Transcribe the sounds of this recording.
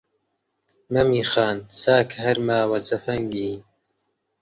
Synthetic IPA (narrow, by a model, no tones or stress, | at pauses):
mɐmiːxaːnsaːkʰhɐɾmaːwɐt͡sɐfɐŋɡiː